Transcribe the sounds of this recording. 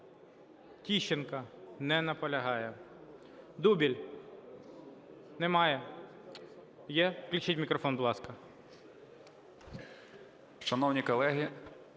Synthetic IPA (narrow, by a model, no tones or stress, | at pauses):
tʲiʃenkɐnɛnɐpɔlʲɐɦɑjɛ | d̪ubʲilʲ | nɛmɑjɛ | jɛklʲit͡ʃɪtʲmʲikɾɔfɔnbʊlˠɑskɐ | ʃɐnɔwnʲikɔlˠɛɦʲi